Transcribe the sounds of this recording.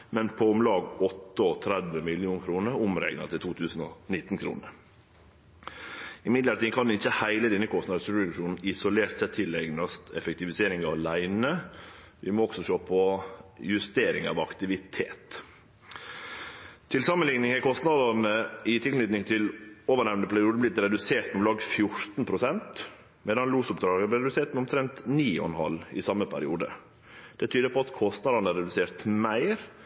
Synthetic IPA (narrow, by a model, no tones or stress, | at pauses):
mɛnpʰɔʊmlɑːɡɔt̪ːəɔt̪ʰɾɛd̪ʋəmɪlɪuːnkʰɾuːnəɾʊmɾɛ̰ɪɡnɑ̰t̪ʰɪlt̪ʰuːt̪ʰʉːsn̩ɔnɪt̪ːn̩kʰɾṵːnəɾ | ɪmɪd̪ləɾʈ̪iːkʰɑnd̪ɛɪçːəhæɪləd̪ɛnːəkʰɔst̪nɑd̪sʉɛd̪ʉʂuːnn̩ɪsʊleːɾt̪sɛt̪ʰɪlɛɡnɑst̪ɛ̰fɛk̚t̪ɪʋɪseːɾɪŋɑlæɪnə | ʋɪ̰mɔɔɡ̥sɔʃøːpʰɔjʉst̪eːɾɪŋɑ̰ʋɑkt̪ɪʋɪt̪ʰeːt̪ | t̪ʰɪlsɑmːənlɪŋnɪŋæɾkʰɔst̪nɑd̪ɑɾnəɪt̪ʰɪllɪt̪nɪŋt̪ʰɪloːʋəɳæʋənəpʰæɾɪuːd̪əblɪt̪ɾɛd̪ʉseːʈ̪sɔmlɑːɡfjʊɾt̪n̩pʰɾʊsɛnt̪ | meːd̪ɑnluːsʊpd̪ɾɑːɡəb̪ɪɾɛd̪ʉseːʈ̪mɛʊmt̪ʰɾɛnt̪niːɔ̰nhɑ̰lɪ̰sɑmːəpʰæ̰ɾɪṵːd̪ə̰ | d̪̥ɛt̪ʰyːd̪əɾpʰɔɑt̪kʰɔst̪nɑd̪ɑnəæɾɛd̪ʉseːɾt̪mæɪɾ